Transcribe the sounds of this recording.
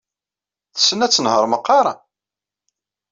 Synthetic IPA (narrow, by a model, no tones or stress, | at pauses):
θə̥sːənæt͡sːənhəɾˤməqːɑɾˤɑ